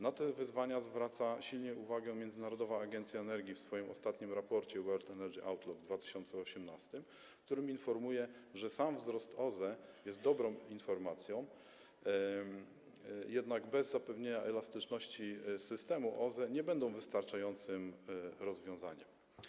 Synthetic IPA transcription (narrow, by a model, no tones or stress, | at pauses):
nat̪ɛvɘzvaɲazvɾat̪saɕilɲɛʔuvaɡɛ̃mʲjɛnd̪ɘnaɾɔd̪ɔvaːɡɛnt̪sʲjaɛnɛɾɡʲifsfɔjimɔst̪at̪ɲimɾapɔɾt͡ɕɛwɛɾt̪ɛnɛɾɡiʔawt̪lɔd̪d̪vat̪ɘ̥ɕɔnt̪sɛɔɕɛmnast̪ɘm | k̚t̪uɾɘminfɔɾmujɛʐɛsamvzɾɔst̪ʰɔzɛjɛst̪̚d̪ɔbɾɔ̃w̃infɔɾmat̪sʲjɔ̃w̃ | jɛd̪naɡbɛzːapɛvɲeɲaʔɛlast̪ɘt͡ʂnɔɕt͡ɕisɘst̪ɛmuʔɔzɛɲɛbɛnd̪ɔ̃w̃vɘst̪aɾt͡ʂajɔnt̪sɘmɾɔzvʲjɔ̃w̃zaɲɛm